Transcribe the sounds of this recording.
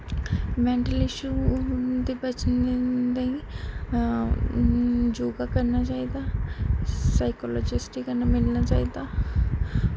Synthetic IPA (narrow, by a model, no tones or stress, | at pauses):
mɛ̃ːɳʈəlɪʃuːd̪eːbət͡ʃnd̪eiː | d͡ʒoːɡaːkəɾnaːt͡ʃaːiːd̪aː | saːɪkɔːlɔːd͡ʒɪsʈikənamɪlnaːt͡ʃaːiːd̪aː